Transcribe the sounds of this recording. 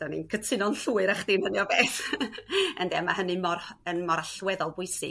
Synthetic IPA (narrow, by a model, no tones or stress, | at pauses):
d̥awnḭnkʰətʰɪnɔnɬuːɨɾaχd̥inhəniɔbeːθ | əndɛamahənɨmɔrənmɔɾaɬwɛðɔlˠbʊɨsɨ̰